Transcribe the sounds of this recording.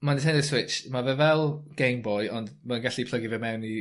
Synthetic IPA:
mantʰɛndəswɪt͡ʃmavɛvɛlˠɡ̥ejmbɔjɔndmanɡaɬipʰl̥ˠəɡivɛmɛwni

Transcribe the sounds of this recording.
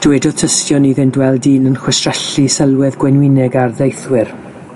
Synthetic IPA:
d̥wɛdɔð̥tʰəstjɔniðɪndwɛlˠdiːnənχwɛstrɛɬisɛlˠwɛðɡwɛnwɪnɛɡardejθwɪr

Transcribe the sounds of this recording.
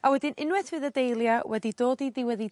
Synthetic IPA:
awɛdɪnɪnwɛθvɨːðədejlˠjawɛdidoːdidiwɛði

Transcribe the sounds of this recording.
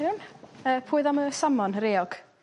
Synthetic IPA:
unəːpʰuːɨðaməsamɔnɾeːɔɡ̥

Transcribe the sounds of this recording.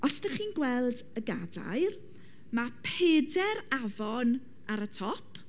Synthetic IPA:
ʔɔsdəχiːnɡwɛlˠd | əɡada̰jr | mapʰedɛɾavɔn | aɾətʰɔpʰ

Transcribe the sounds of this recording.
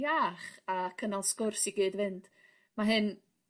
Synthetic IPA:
aːχakʰənalˠskʊrsiɡeːdvɨnd̥ | maɦɨn

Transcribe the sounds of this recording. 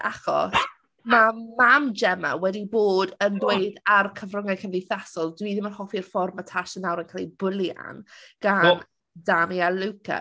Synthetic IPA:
ʔaχɔ̰s | mamamd͡ʒɛma̰wɛdiboːdəndweɨdarkʰəvrʊŋakʰənvɪθasɔlˠdwiðɪmənhɔfirfɔrmatʰaʃənawɾənkʰalibʊlˠja̰nɡ̥an | damialuwkʰa̰

